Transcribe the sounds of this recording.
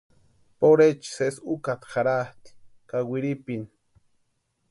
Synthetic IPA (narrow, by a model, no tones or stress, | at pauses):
poɾet͡ʃi̥sesukat̪xaɾaht̪i̥kawiɾipin